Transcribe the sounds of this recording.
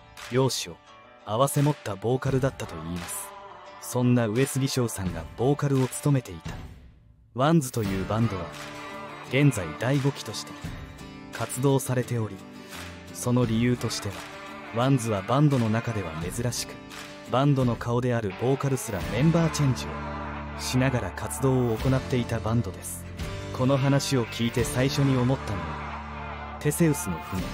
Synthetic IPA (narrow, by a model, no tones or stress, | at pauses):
jo̞ːɕio̞ | aβase̞mo̞t̪ːabo̞ːkaɾɯ̟d̪at̪ːat̪o̞iːmasɨ̥sõ̞nːaɯ̟e̞t͡sɨɡʲiɕo̞ːsãŋɡa̰b̥o̞ːkaɾɯ̟o̞t͡sɨ̥t̪o̞me̞t̪e̞it̪ḁ | βãnd͡zɨ̥t̪o̞jɯ̟ːbãnd̪o̞βa | ɡ̥ẽ̞nd͡zaid̪aiɡo̞kʲi̥t̪o̞ɕi̥t̪e̞ | kʰat͡sɨd̪o̞ːsaɾe̞t̪e̞o̞ɾʲi | so̞no̞ɾʲijɯ̟ːt̪o̞ɕi̥t̪e̞βa | βãnzɨβabãnd̪o̞no̞nakad̪e̞βa̰me̞zɨɾaɕi̥kɯ̥ | bãnd̪o̞no̞kʰao̞d̪e̞aɾɯ̟bo̞ːkaɾɯ̟sɨɾamẽ̞mbaːt͡ɕẽɲ̟d͡ʑio̞̰ | ɕinaɡaɾakʰat͡sɨd̪o̞ːko̞nat̪ːe̞it̪abãnd̪o̞d̪e̞sɨ̥ | kʰo̞no̞ɦanaɕio̞kʲʰiːt̪e̞saiɕo̞ɲ̟io̞mo̞t̪ːano̰β | t̪e̞se̞ɯ̟sɨno̞ɸɯ̟no̰